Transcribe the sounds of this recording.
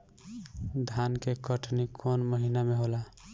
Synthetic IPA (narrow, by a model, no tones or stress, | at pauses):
d̪ʱankekəʈnikʰonməɦinameɦola